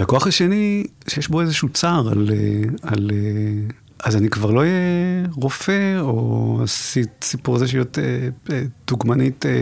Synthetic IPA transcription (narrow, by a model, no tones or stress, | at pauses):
beko̞aχhaʃe̞ni | ʃejeʃboe̞zeʃut͡saʁa̰leale | ʔazanikvaʁlo̞ijeʁo̞fe̞o̰asitsipuʁazeʃjoteed̪̥uɡmanite